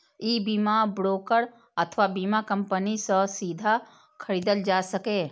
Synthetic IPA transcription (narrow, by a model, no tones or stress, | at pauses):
iːbiːmabɾoːkəɾ | ɐt̪ʰʋabiːmakɐ̃mpənisɔsiːd̪ʱa | kʰɐɾiːd̪əld͡ʒaːsɐkeː